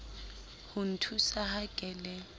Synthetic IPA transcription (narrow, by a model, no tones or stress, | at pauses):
hun̩tʰusahaɡ̥ʼʱɛlɛ